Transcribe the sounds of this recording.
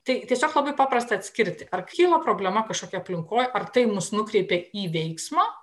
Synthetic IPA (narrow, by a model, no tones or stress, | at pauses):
t̪ɐɪt̪ʲiɛsʲoːklˠɐbɐɪpɑːpɾɐst̪ɐt̪ʲsʲkʲɪɾʲt̪ʲɪʔɐrkʲkʲiːlˠɐpɾoːbʲlʲɛmɐkɐʃkoːkʲɛɐpʲlʲɪŋkoːjʔɐrt̪ɐɪmʊsnʊkɾʲɛɪpʲeiːʋʲɛɪksmɑː